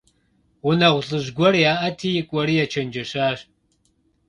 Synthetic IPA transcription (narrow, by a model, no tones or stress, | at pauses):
wʊnɐʁʷɬʼɨʑɡʷɔrjaːʔɐtʰiːjɪkʷʼɔɾiːjɛt͡ʃʰɐnd͡ʒɐɕaːɕ